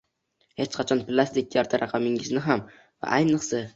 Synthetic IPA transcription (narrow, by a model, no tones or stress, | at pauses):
het͡ʃqʰɑt͡ʃʰɒnplˠast̪ɪk̚ʲjaɾt̪ʰaɾʔaqʰamɪŋɪznɪɦam | va̰ʔajnɨqsa